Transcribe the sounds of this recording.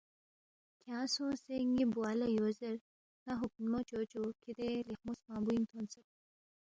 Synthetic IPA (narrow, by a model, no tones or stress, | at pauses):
kʰjãːsõseŋɡibualɐjoːzɐɾ | nɐɦuk̚nmot͡ɕoːt͡ɕokid̪elixmusmãːmbuint̪ʰonsɐ